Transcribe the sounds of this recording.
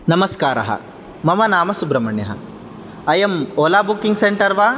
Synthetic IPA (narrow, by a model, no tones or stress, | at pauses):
nɐmɐskaːɾɐ̰ɦɐ̰ | mɐmɐnaːmɐsubɾɐmɐɳjɐɦɐ̰ | ɐjɐmoːlaːbukːiŋɡseɳʈɐɾʋaː